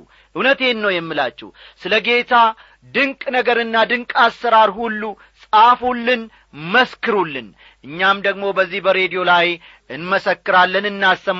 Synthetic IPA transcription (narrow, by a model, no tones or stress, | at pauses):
ʔɨwnət̪enːəwjɛmːɨlat͡ʃːɛ̰w | sɨləɡe̞t̪ʰa | d̪ɨŋkʼnəɡəɾɨnːad̪ɨŋkʼasːəɾaɾhulːu | sʼafulːɨn | məskɨɾulːɨn | ʔɨɲːamd̪əɡmo̞bəzːihbəɾe̞d̪ijo̞laj | ɨnməsəkːɨɾalːənɨnːastəm